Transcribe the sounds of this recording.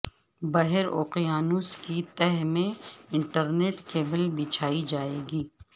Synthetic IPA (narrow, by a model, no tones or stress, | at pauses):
bɐɦɛɾoːqijaːnuːskit̪ɛɦmẽɪ̃ɳʈəɾneːʈkeːbəlbɪt͡ʃʰaːid͡ʒaːeːɡiː